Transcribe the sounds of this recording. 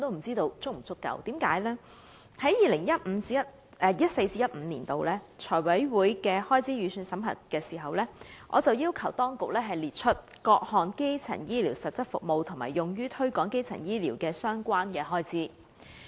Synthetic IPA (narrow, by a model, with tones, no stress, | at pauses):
ɔ˨˧t̪o˥wm̩˨˩t͡siː˥t̪o˧wt͡sʊ˥k̚m̩˨˩t͡sʊ˥kːɐ̰˧˩wt̪iː˨˥mkaː˨˥jlɛː˥ | hɐ˨˦˥jjiː˨lɪ˨˩ŋjɐ˥t̚m̩˨˧t͡siː˨˥ɐ˥t̚ | ɛ˧jɐ˥t̚se˧jt͡siː˧˥jɐ˥t̚m̩ː˨˧niː˨˩nt̪o˨˧wlɛː˥t͡ʃʰɔː˨˩jwɐ˨˥jwuː˨˥jkɛː˧hɔː˥jt͡sʰiː˨˥ɥyː˨˧syː˧nsɐ˨˥mɦɐ̰˨˩t̚kɛː˧siː˨˩ɦɐ˨wlɛː˥ŋʔɔː˨˧t͡sɐ˨wjiː˥wkʰɐ˨˩wt̪ɔː˥ŋkʊ˨k̚lɛː˥ɦɐ˨jliː˨t̚t͡ʃʰɵ˥t̚ | kɔː˧k̚hɔː˨nke˥jt͡sʰɐ̰˨˩ŋjiː˥liː˨˩wsɐ˨t̚t͡sɐ˥t̚fʊ̰˨k̚mo˨wt̪ʰʊ˨˩ŋma̰ː˨˩jʊ˨ŋjyː˥t̪ʰɵ˥kɔː˨˥ŋke˥jt͡sʰɐ˨˩njiː˥liː˨˩wkɛː˧sœː˥ŋkʷaː˥nkɛː˧ɦɔː˥jt͡siː˥